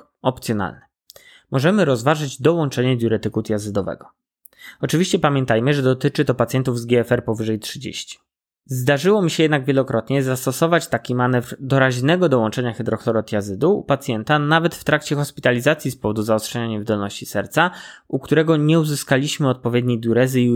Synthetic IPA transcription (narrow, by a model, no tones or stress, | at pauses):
ɔp̚t̪sʲjɔna̰lnɛ | mɔʐɛmɘɾɔzvaʐɘd͡ʑd̪ɔwɔnt͡ʂɛɲɛd̪ʲjuɾɛt̪ɘkut̪jazɘd̪ɔvɛ̰ɡɔ | ɔt͡ʂɘvʲiɕt͡ɕɛpamʲjɛnt̪ajmɘʐɛd̪ɔt̪ɘt͡ʂɘt̪ɔpat̪sjɛnt̪uvzɡʲɛɛfɛɾpɔvɘʐɛjtʂɘd͡ʑḛɕt͡ɕi̥ | zd̪aʐɘwɔmʲiɕɛjɛd̪naɡvʲjɛlɔkɾɔt̪ɲɛzast̪ɔsɔvat͡ɕt̪akʲimanɛvɾd̪ɔɾaʑnɛɡɔd̪ɔwɔnt͡ʂɛɲaxɛd̪ɾɔxlɔɾɔt̪jazɘd̪uṵpat̪sʲjɛnt̪anavɛt̪ft̪ɾakt͡ɕɛxɔspʲit̪alʲizat̪sʲjispɔvɔd̪uzaɔstʂɛɲaɲɛvd̪ɔlnɔɕt͡ɕisɛɾt̪saukt̪uɾɛɡɔɲɛuzɘskalʲiɕmɘɔt̪̚pɔvʲjed̪ɲejd̪juɾɛzɘ